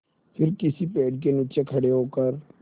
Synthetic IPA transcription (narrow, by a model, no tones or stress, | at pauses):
pʰɪɾkɪsipeːɖk̬eniːt͡ʃekʰɐɽeɦoːkəɾ